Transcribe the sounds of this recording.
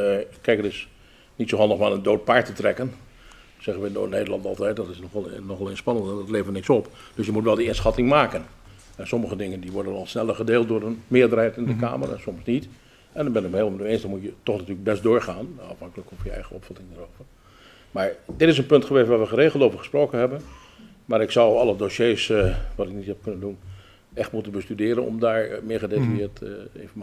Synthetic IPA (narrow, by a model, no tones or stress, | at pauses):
əɪkʰːɛjkətɪs | nitsoɦɑlˠdəχmaːnəndoːt̚paɹtətrɛkən | sɛɣənʋəndo̰ːneːdəlˠɑntɑ̰lˠtɛjt̚dɔtɪsnɔxnɔxɛlˠɪnspɑnəntɛndɔtleːvənnɪksɔp | d̥øsjəmutʋɛlˠdəɪnsxɑtɪŋmaːkən | ɛnsɔməɣədɪŋəndiʋɔɹdənɔlˠsnɛlˠərχədeːlˠt̚dʊːrənmɪəɹdərhɛjtnɪndəka̰ːmə̰rɛ̰nsɔmsnit | ɛndɔbɪnɪk̚melˠəmənyeːnsdɔnmutjətɔxnatyːləɡ̚bɛstdoːɹχaːnɑfhɑŋkələkɔfjəɛ̰jɣəɔpfɔtɪŋdəroːvər | maɹdɪtɪs̬ənpøntχəʋeːstʋaːrʋəxəreːɣəlˠoːvəχəsproːkənɦɛbən | maɾɪksawɑlˠədoːseːsʋatɪk̚nithɛp̚kønəndun | ɛxtmutənbəstydɪːɾənɔ̰mdaːɹmɪəχədetrjɪətḛvəm